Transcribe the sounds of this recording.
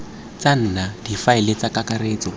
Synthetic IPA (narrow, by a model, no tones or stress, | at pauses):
t͡san̩ːnad̥ifaɪlet͡sakakaɾeːt͡sɔ